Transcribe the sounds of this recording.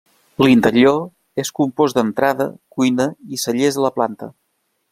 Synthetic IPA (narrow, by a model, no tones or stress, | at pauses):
lint̪əɾio | eskumpozd̪ənt̪ɾaðə̰kujnəisəʎezðələplant̪ə̰